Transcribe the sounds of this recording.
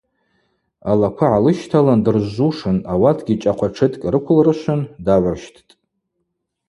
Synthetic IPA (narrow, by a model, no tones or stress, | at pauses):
alakʷʰaʕalɨʃtʰalandɨrʒuʂɨnawatʰɡʲit͡ʃʼaqʷʰaʈ͡ʂʰɨtʼkʲʼrɨkʷʰʊlrɨʃʷʊndaʕʷarʃtʰtʼ